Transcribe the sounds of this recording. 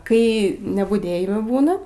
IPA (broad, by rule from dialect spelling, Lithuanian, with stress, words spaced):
ˈkɐɪ nʲɛbʊˈdʲeːjɪmɜ ˈbuːnɐ